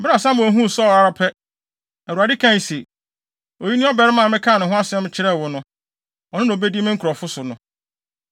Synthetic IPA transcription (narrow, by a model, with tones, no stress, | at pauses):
bɪ˦ɾa˨sã˦mʊ̃˨ɦũ˦˨sɔ˦˨a˦ɾa˦pʰɛ˦ | æ˨ɾu˨a˨dɪ˦kʰã˦˨n˨se˨ | o˨ji˦nɪ̃˦ɔ˦bɛ˦ɾɪ˦mã˦˨mɪ̃˦kʰã˦˨nʊ̃˨ɦʊ̃˦a˦sɪ˨ɛ˦mɪ̃˦t͡ɕʰɪ˦ɾɛ˦˨wʊ˦nʊ̃˦ | ɔ˨nɪ̃˦ñ˨be˦di˦mɪ̃˦ŋ̩˦kʰɾɔ˨fʊ˦sʊ˨nʊ̃˦